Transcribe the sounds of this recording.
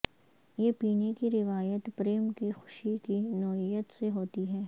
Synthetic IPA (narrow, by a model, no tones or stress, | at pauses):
jeːpiːnekiɾɪʋaːjət̪pɾeːmkixʊ̥ʃikinɔːɪjət̪seɦoːt̪iɦɛː